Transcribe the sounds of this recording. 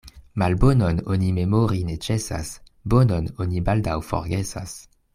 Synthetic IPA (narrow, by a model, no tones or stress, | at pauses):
malbonononimemoʁinet͡ʃesa̰s | bonononibaldawfo̰ʁɡesa̰s